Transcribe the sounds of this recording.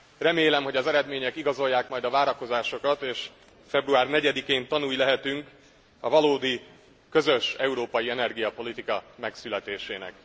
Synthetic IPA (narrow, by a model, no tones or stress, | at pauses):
rɛmeːlɛmɦo̞ɟɒzɛɾɛd̪meːɲɛkiɡɒzo̞jːaːkmɒjd̪ɒvaːɾɒko̞zaːʃo̞kɒt̪eːʃ | fɛbruaːrnɛɟɛd̪ikeːnt̪ɒnuːjlɛɦɛt̪yŋk | ɒvɒloːd̪i | kø̞zø̞ʃɛuɾoːpɒjiɛnɛrɡijɒpo̞lit̪ikɒmɛksylɛt̪eːʃeːnɛ̰k